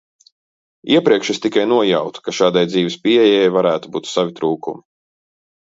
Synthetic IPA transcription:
iɛpɾiɛkʃist̪ikajnuɔjawt̪u̥kaʃaːd̪ajd̪ziːʋispʲiɛjɛjvaɾæːt̪ubuːt̪savit̪ɾuːkṵmi

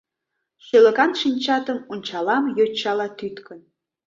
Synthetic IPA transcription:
ɕø̆lə̆kɑnʃinʲt͡ɕɑt̪ə̆nunʲt͡ɕɑlɑmjot͡ɕːɑlˠɑt̪yt̪kʰə̆n

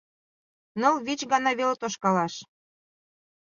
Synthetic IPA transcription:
nɤ̆lβit͡ɕɡɑnɑβelt̪oʃkɑlɑʃ

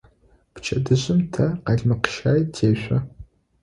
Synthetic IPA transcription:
pt͡ʃʰɐdɨʑɪmtʰɐqɐɮmɨqʃaːjtʰeːɕʷɐ

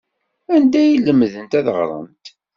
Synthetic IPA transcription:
ænd̪æjiləmːðənt̪æðəʁɾˤə̰nt̪

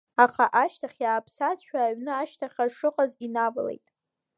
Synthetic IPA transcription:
aχaʔaʃtʰaχʲjaːpʰsazħᶣaːɥnɨaʃtʰaχʲaʂɨqʼazinavlḛjtʼ

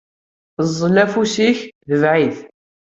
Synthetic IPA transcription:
əzˤːəlæfusiçðəvʕiθ

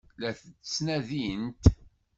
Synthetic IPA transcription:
læθət͡sːsnæðiənt̪

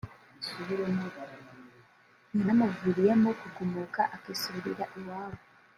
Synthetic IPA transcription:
suβiɾemoɾ | ŋanamavuɾijemokuɡomukaʔakisuβɾḭɾaʔiwaːβo

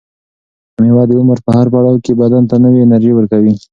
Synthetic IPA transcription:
mewɑd̪ʊməɾpəhaɾpaɽawkebad̪ant̪anəweɪnaɾʒewəɾkawi

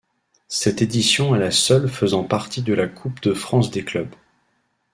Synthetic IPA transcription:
sɛt̪ed̪isjɔ̃ɛlasœlfəzɑ̃paʁt̪id̪əlakʰupd̪əfχɑ̃sd̪eklœb

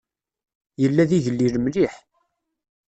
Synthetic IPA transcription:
jəlːæðiʝəlːiləmliħ

